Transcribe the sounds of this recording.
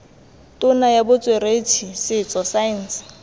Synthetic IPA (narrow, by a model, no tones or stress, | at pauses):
tʼʊnajabʊt͡sʼweret͡sʰisɪt͡sʼɔsain̩s